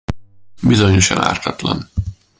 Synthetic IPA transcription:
bizoɲoʃɒna̰ːrt̪ɒt̪lɒ̰n

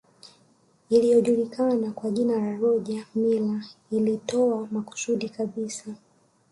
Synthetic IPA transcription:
ilijɔʄulikanakwaʄinalaɾɔʄamilailitɔamaku̥suɗikaɓisa

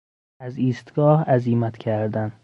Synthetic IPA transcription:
æziːst̪ɡɒːhæziːmæt̪ʰcʰæɾd̪æn

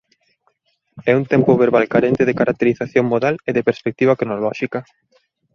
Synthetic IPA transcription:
ɛunt̪empʊβeɾβalkaɾent̪ɪðɪkaɾak̚t̪eɾiθaθjoŋmoðaleðepeɾspek̚t̪iβɐkɾonolɔʃikɐ

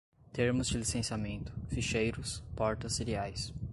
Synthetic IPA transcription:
t̪eɾmʊzd͡ʒɪlisẽsiamẽnt̪ʊ̥fiʃejɾʊspɔɾt̪ɐsːeɾiajs

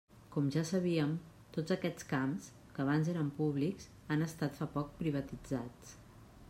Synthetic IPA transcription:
kɔmʒasəβ̞iəm | t̪od͡zəkɛt͡skams | kəːβ̞anzeɾəmpuβliks | anəst̪at̪fapɔk̚pɾiβ̞ət̪id͡zat͡s

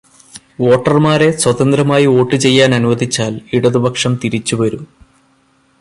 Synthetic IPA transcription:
o̞ːʈːɐrmaːɾe̞swɐðɐnd̪ɾɐmaːjio̞ːʈːɨt͡ɕe̞jːaːnɐnuʋɐðit͡ɕːaːliɽɐðubʱɐkʂɐmt̪iɾit͡ɕːuʋɐɾum

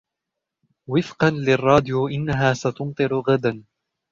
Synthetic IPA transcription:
wɪfqɑnlɪrˤːɑːd̪ɪjuʔɪnːaɦaːsat̪ʊmt̪ˤɨɾɣad̪an

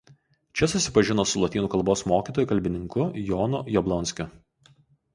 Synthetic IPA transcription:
t͡ʃʲɛsʊsʲɪpɐʒʲɪnoːsʊlˠɔt̪ʲiːnuːkɐlˠboːsmoːkʲiːˑt̪oːjuˑkɐlʲbʲɪnʲɪŋkʊjɔːnʊjɔblˠɔnʲsʲkʲʊ

